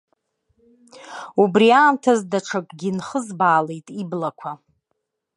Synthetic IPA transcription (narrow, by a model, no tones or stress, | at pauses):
ubriaːmtʰazdaʈ͡ʂʰakʼɡʲinχəzbaːlejtʼiblakʷʰa